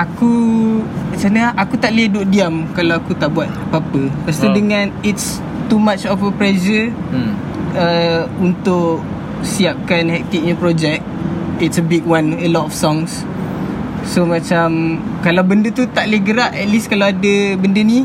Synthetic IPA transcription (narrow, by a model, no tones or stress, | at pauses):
aku | mat͡ʃanəʔakut̪aʔliahduʔ̚diamkalawakut̪aʔbuat̪̚papəpast̪udəŋãnits | t̪umat͡ʃɔfəpɾɛzə | əunt̪ʊʔ | siap̚kanhɛk̚t̪ik̚ɲapɾɔd͡ʒɛk̚t̪̚itsəbiɡwanəlɔtɔfsɔŋs | somat͡ʃamkalawbəndət̪ut̪aʔliahɡəɾaʔɛt̪̚liskalawadəbəndəni